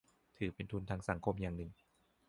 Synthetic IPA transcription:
t̪ʰɯː˩˦pe˧nt̪ʰu˧nt̪ʰaː˧ŋsa˩˦ŋkʰo˧mjaː˨˩ŋnɯ˨˩ŋ

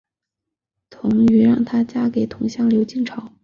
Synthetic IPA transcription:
t̪ʰʊ˧˥ŋy˧˥ɻɑ˥˩ŋt̪ʰa˥t͡ɕja˥ke˨˩ɪt̪ʰʊ˧˥ŋɕjɑ˥˩ŋljo˧˥ʊt͡ɕi˥˩ŋʈ͡ʂʰɑ˨˩˦ʊ

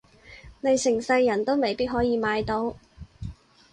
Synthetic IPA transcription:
ne˨˧jsɪ˨˩ŋsɐ˧jːɐ˨˩nt̪o˥wme˨jpiː˥t̚ɦɔː˨˥jiː˧maː˨˧jt̪o˨˥w

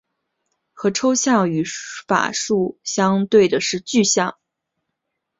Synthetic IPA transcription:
xɤ˧˥ʈ͡ʂʰo˥ʊɕjɑ˥˩ŋy˧˥fa̰˨˩ʂu˥˩ɕjɑ˥ŋt̪we˥˩ɪd̪ə˩ʂɻ̩˥˧t͡ɕy˥˧ɕjɑ˥˩ŋ

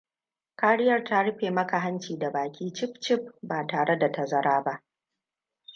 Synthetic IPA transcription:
kaː˦ɽɪ˦jɐ˦˨rta˦ɽʊ˦ɸeː˨mɐ˦ka˨ɦa˦nt͡ʃiː˨da˨baː˨kʲʰiː˦t͡ʃɪ˦ɸ̚t͡ʃɪ˦ɸ̚baː˨taː˨ɽe˦da˨tɐ˨zɐ˦ɾaː˦ba˦ʔ

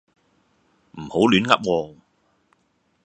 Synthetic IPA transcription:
m̩˨˩ho˨˥wlyː˨˥nŋɐ̰˥p̚ŋɔː˧

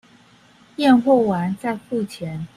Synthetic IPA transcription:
jɛ˥˧nxwɔ˥˩wa˧˦nt͡sa˥˧ɪfu˥˩t͡ɕʰjɛ˨˧˦n

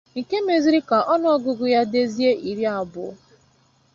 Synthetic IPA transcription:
ŋ̩˨ke˦me˨zi˦ɾi˦ka˨ʔɔ˦nʊ˦ɔ˦ɡʊ˨ɡʊ˨ja˦de˦zi˦e˦ʔi˨ɾi˦a˨bʊ˨˦

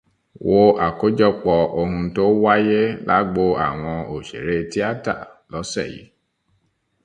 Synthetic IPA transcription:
wo˧a˨ko˨˦d͡ʒɔ˦k͡pɔ˧ʔo˧ɦũ˧to˦wa˦je˦la̰˦ɡ͡bo˧a̰˨w̃ɔ̃˧o˨ʃḛ˨ɾe˦ti˦a˦ta̰˦˨ | lɔ˨˦sɛ̰˦˨jḭ˨˦

